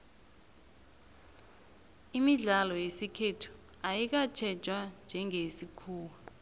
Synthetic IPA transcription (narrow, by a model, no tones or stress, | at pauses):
imiɮalɔjesikʰetʰu̥ | ajik̬at͡ʃʰɛ̥d͡ʒʱwand͡ʒʱɛŋʱesikʰuːwa